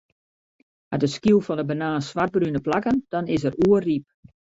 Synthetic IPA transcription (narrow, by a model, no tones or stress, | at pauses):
adəskjulˠfɔndəbənaːsʋar̚brynəplakənd̥ɔnɪsəɾuərip̚